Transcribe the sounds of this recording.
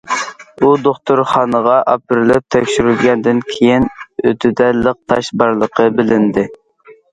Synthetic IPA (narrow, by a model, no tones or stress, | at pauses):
ud̪oχt̪ʰoɾχɑːnəʁɑʔɑp̚ɪɾɪlɪp̚t̪ʰɛkʲʃyɾylɡʲɛnd̪ɪnkʲʰejinøt̪ʰyd̪ɛləq̚t̪ʰɑʃbɑɾlˠəqʰəbɪlɪnd̪ɪ